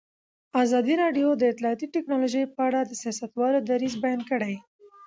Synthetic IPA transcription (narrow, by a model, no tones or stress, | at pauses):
ɑzɑd̪iɾɑɖjod̪əɪt̪lɑːt̪iʈɪknɑloʒəjpəaɽad̪əsijɑsat̪wɑlod̪aɾizbajɑnkəɽaj